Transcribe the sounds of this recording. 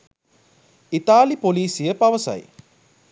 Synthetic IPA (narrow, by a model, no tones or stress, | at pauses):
it̪aːlipoliːsijəpɐʋəsɐ̰j